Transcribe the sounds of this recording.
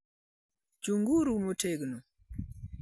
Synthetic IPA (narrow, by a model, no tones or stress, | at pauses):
d͡ʒuŋɡuɾumoteɡnu